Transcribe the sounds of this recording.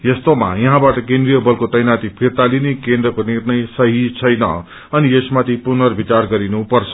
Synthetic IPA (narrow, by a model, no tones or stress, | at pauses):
jʌst̪oma̰jʌɦãbaʈʌkend̪rijʌbʌlkot̪ʌjnat̪ipʰirt̪alinekend̪rʌkonirnʌjsʌɦit͡sʰʌjnʌ̰ | ʌniesmat̪ʰipunʌrbʱit͡sarɡʌɾinupʌrt͡sʰʌ̥